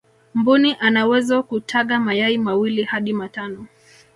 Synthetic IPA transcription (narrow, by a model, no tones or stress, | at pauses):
mbuniʔanawɛzɔkutʰaɠamajaimawilihaɗimatanɔ